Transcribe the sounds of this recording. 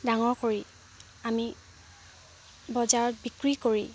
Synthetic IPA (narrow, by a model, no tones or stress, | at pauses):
daŋɔɹkoɹi | ami | bɔzaɹɔt̚bikɹikoɹi